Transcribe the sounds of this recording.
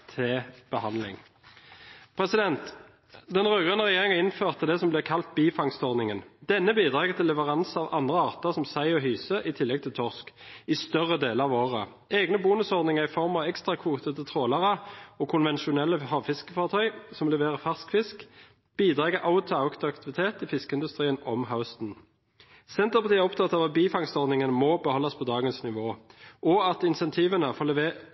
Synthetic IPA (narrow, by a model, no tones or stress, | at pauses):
t̪ʰɛb̥əhɑnlɪ̰ŋ | pʰʁɛsɪd̪ɛnt̪ | d̪ɛnʁøːɡənəʁɛjeːʁɪŋənɪnføːʁt̪əd̪ɛsɔmblɛːkʰɑlt̪̚biːfɑŋst̪ɔʁd̪nɪŋənd̪ɛnːəbiːd̪ʁɑːɡət̪ʰɪlːɛʋəʁɑnsɑːʋɑnd̪ʁəɑːʁt̪əsɔmsæɪɔɦyːsəʔɪt̪ʰɪlːɛɡ̚t̪ʰɪlt̪ʰɔʁskɪst̪œʁəd̪eːləɑʋoːʁə | ɛːɡnəbuːnəsɔʁd̪nɪŋəʁɪfɔʁmɑʋɛkst̪ʁɑkʰʋuːt̪ət̪ət̪ʰʁoːlɑʁəɔːkʰʊnʋɛnʃʊnɛlːəhɑːʋfɪskəfɑːʁt̪ʰœʏsɔmlɛʋeːʁəfæʁskfɪsk | b̥iːd̪ʁɑːɡəʔaʊt̪ʰʊaʊkt̪ɑkt̪ɪʋɪt̪ʰeːt̪ɪfɪskəɪnd̪ʉst̪ʁiːənɔmɦaʊst̪n̩ | sɛnt̪əʁpɑʁt̪iːæɔpt̪ʰɑt̪ːɑːʋɑt̪̚biːfɑŋst̪ɔʁd̪nɪŋənmɔbəhɔlːɑspʰɔd̪ɑːɡənsnɪʋoːʔɔɑt̪ɪnsɛnt̪ʰiːʋənəfɔl